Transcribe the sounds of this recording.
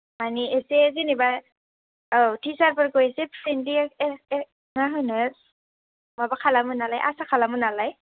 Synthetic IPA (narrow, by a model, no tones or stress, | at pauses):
maniesɛziniba | atʰisaɹpɔɹkojsɛpʰɹentiɛ | naɦɔjnɔs | mabakʰalamɯnalajʔa̰sakʰalamʊnalaj